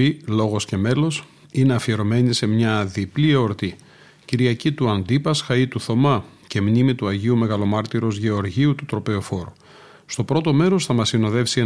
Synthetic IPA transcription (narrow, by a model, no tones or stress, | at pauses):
ilo̞ɣo̞sce̞me̞lo̞s | ineɐfie̞ɾo̞me̞nise̞mɲɐðiplieoɾt̪i | ciɾiɐcit̪uɐnd̪ipɐsxɐit̪uθo̞mɐce̞mnimit̪uɐʝiume̞ɣɐlo̞mɐɾt̪iɾo̞zʝe̞o̞ɾʝiut̪ut̪ɾo̞pe̞ofo̞ɾu | st̪o̞pɾo̞t̪o̞me̞ɾo̞sθɐmɐsino̞ðe̞fsie